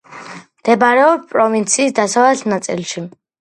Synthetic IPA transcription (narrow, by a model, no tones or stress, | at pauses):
md̪̥ɛbaɾɛɔbpʼɾɔvint̪sʰiːsd̪asavlɛsnat̪sʼḭlʃi